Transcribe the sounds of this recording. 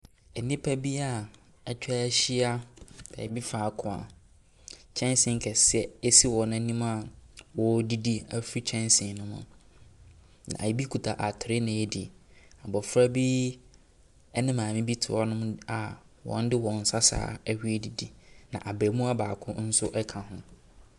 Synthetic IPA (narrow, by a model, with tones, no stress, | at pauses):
ɛ˨nĩ˦pʰa˦bi˦a˨ | a˨t͡ɕᶣʰɛ˦æ˦ɕi˦a˦b̥ɛ̰ː˨˦bi˦faː˨kʰʊ̃˨a̰˨ | t͡ɕʰɛ̃˦nsɪ̃˨ŋ̩˨kʰɛ˨sɪ˦ɛ˨ɛ˦si˦wɔ˨nã˦nĩ˦mã˦˨wɔ˨˦di˦di˦a˦fi˦t͡ɕʰɛ̃˦nsɪ̃˨nʊ̃˦mʊ̰̃˨ | nã̰˨a̰˨˦bi˦kʰu˨tʰa˨ʔa˨tʰʊ˨ɾɪ˦nã˨ɛ˦dɪ˨a˨bɔ˨fɾa˦bi˦ | ɛ˦nɪ̃˦mãː˨mɪ̃˦bi˦tʰɪ˨ɔ˦nʊ̃˦m˦a˨ | wɔ̰̃˨˦n˦dɪ˦wɔ̃˨n̩˨sa˦sa̰ː˨˦ɛ˦hi˦e˦di˨di˦nã̰˨ʔa˨bɛː˨mũ˦a˦baː˨kʰʊ̃˦n̩˦sʊ˦ʔɛ˦kʰã˨hʊ̃˦